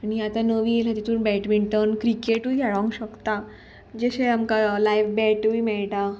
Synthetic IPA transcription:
aniat̪anəʋilɦat̪it̪uːnbɛʈmiɳʈənkɾikeʈuɡʱaɭãŋɡɕəkt̪a | d͡ʑəɕeamkalajfbɛʈʋiːmɛɭʈa

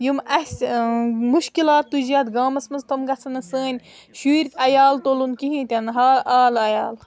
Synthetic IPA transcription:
jumɐsʲ | muʃkilaːt̪ːuzaːt̪ɡaːmɐsmɐzt̪ɐmɡɐt͡sʰɐnɨsəːnʲ | ʃuːɾʲkʲɐjaːlt̪olunkiɦĩt̪ʲɐnɦaːaːlɐjaːl

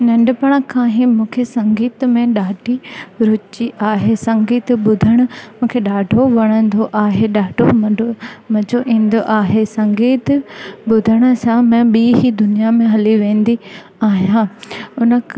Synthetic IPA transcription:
nɐ̃ɳɖʊpɐɽ̃əkʰãːɦimũːkʰesɐ̃ŋɡiːt̪mẽɗaːʈʰiɾʊt͡ɕiʔaːɦesɐ̃ŋɡiːt̪ɓʊd̪ʱəɽ̃ʊ̆mũːkʰeɗaːɖʱoʋɐɽ̃ə̃nd̪oʔaːɦeɗaːɖʱomɐmɐ̃d͡ʑoʔĩːn̆d̪oʔaːɦesɐ̃ŋɡiːt̪ɓʊd̪ʱəɽ̃ʊ̆sãmɛ̃ɓiːɦid̪ʊnijamẽɦɐliʋẽːnd̪i | aːɦijãʊnə̆

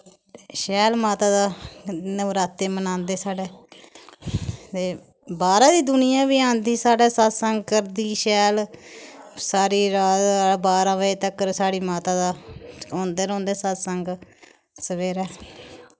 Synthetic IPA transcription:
ʃɛːlmaːt̪aːd̪aːnəʋɾaːt̪ːeːmənãːnd̪eːsaːɖeː | t̪eː | baːɾãːd̪iːd̪ʊnɪjãːʋiːãːnd̪iːsaːɽɛːsat̪səŋɡ̚kəɾd̪iːʃɛːl | saːɾiːɾaːzbaːɾãːʋəeːt̪əkɾsaːɽiːmaːt̪aːd̪aːõːnd̪eːɾõːnd̪eːsat̪səŋɡ | səʋeːɾɛː

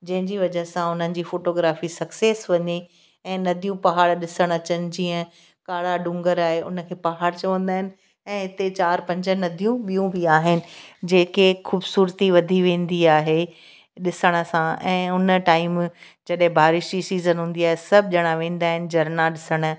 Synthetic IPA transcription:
d͡ʑɐ̃ɦɪ̃ɲd͡ʑiʋɐd͡ʑəɦsãʊn̤ənɪ̆d͡ʑiːfoːʈoːɡɾaːfisɐkseːsʋɐɲe | ɛ̃ːnɐd̪ʱijũpɐɦaːɽɗɪsəɽ̃ɐt͡ɕənɪ̆d͡ʑiːə̃ | kaːɽaɖʊ̃ŋɡəɾaːɦeʊ̰nə̆kʰeːpɐɦaːɽt͡ɕɐʋə̃nd̪aːɦɪnɪ̆ | ɛ̃ːɦɪt̪et͡ɕaːɾpɐ̃ɲd͡ʑə̆nɐd̪ʱijũɓijũbɪaːɦɪnɪ̆d͡ʑeːkexuːbsuːɾt̪iʋɐd̪ʱiʋẽːn̆d̪iaːɦe | ɗɪsəɽ̃ə̆sãɛ̃ːʊnə̆ʈaːɪm | d͡ʑɐɗɦɪ̃bʱaːɾɪʃd͡ʑisiːzənɦũːn̆d̪iaːɦesɐb̚ʱʄɐɽ̃ãʋẽːn̆d̪aːɦɪnɪ̆d͡ʑɐɾnaɗɪsəɽ̃̆

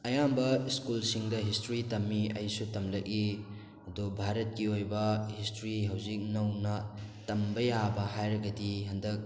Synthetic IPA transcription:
ɐjambɐiskulsiŋdɐɦistɾitɐmːiɐjsutɐmlɐki | ɐdubʱaɾɐt̚kiojbɐhistɾiɦɐwzik̚nɐwnɐtɐmbɐjabɐɦajɾɐɡɐdiɦɐndɐk̚

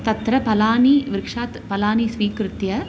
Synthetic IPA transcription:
t̪ɐt̪ɾɐpɐlaːniʋɪɾkʂaːt̪pɐlaːnisʋiːkɾɪt̪jɐ

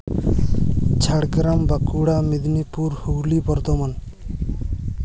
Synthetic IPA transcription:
t͡ʃʰaɽɡɾambakuɽamid̪nipuɾhuɡlibɔɾd̪ɔman

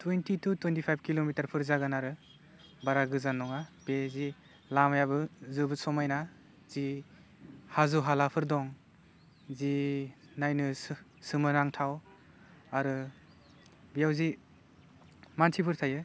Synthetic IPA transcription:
twentitutwentipʰajb̚kilomitaɾpʰɯɾzaɡanaɾɯ | baɾaɡɯzanːɔŋab̥ezi | lamajabɯzɯbɯsɔmajna | z̥i | hazuɦalapʰɯɾdɔŋ | zi | najnɯssɯmɯnaŋtʰaw | aɾɯ | bijawzi | mantʰipʰɯɾtʰajɯ

